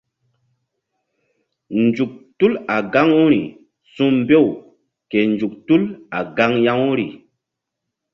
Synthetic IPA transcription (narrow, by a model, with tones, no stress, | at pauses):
nd͡ʒu˨k̚tu˦la˨ɡa˦ŋu˦ɾḭ˨ | sũ˦m˦be˦˨w | ke˨nd͡ʒu˨k̚tu˦la˨ɡa˦ŋja˦ŋu˦ɾḭ˨